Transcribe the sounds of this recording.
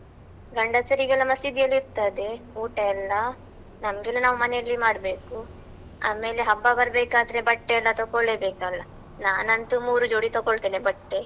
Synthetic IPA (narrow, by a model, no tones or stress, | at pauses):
ɡɐɳɖɐsɐɾiɡɐlɐmɐsid̪ijɐlːiɾt̪ɐd̪e̞kuːʈɐɛlːɐ | nɐmɡelːɐnaːʋumɐnelːimaːɽbe̞ːku | a̰ːme̞ːleɦɐbːɐbɐɾbeːkaːd̪ɐɾe̞bɐʈːeɛlːɐt̪okoɭeːbeːkalːɐ | naːnɐnt̪umuːɾud͡ʒoːɽit̪ɔɡoɭt̪eːnebɐʈːe